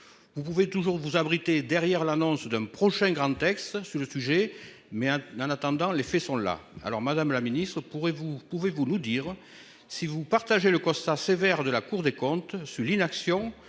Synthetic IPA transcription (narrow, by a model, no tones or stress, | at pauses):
vupuvet̪uʒuʁvuzabʁit̪ed̪ɛʁjɛʁlanɔ̃sd̪ɛ̃pχɔʃɛ̃ɡʁɑ̃t̪ɛkst̪syʁləsyʒe | mɛɑ̃nat̪ɑ̃d̪ɑ̃lefesɔ̃la̰a̰lɔʁmad̪amlaminist̪χəpuʁevupuvevunud̪iʁ | sivupaʁt̪aʒeləkɔ̃st̪asevɛʁd̪əlakuʁd̪ekɔ̃t̪syʁlinaksjɔ̃